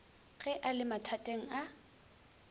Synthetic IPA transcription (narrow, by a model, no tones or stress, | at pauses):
ɣɛʔalɪmatʰatʼeŋ̩a